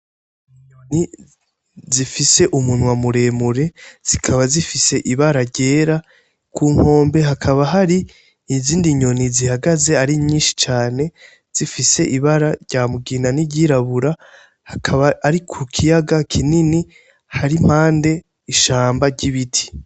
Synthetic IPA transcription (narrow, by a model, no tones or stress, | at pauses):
iɲoni | zifise̞ʔumunwamuɾe̞ːmuɾe̞z̥ikʰaβazifise̞ʔiβaɾaɾɟe̞ːɾa | kʰuːŋ̥ho̞ːmbe̞ɦakʰaβaɦaɾiː | ziːndiɲo̞nizihaɡaze̞aɾimɲiːnʃi̥t͡ʃaːne̞ | z̥ifise̞ʔiβaɾaɾɟaːmuɡiːnaniɟiɾaβuɾa | hakʰaβaːɾikʰukʰijaɡakʰinini | haɾim̥haːnde̞ | iʃaːmbaɾɟiβitʰi̥